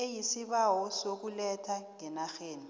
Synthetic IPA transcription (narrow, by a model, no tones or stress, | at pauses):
ejisiɓawɔsok̬ulɛtʰaŋŋɛnaxeːni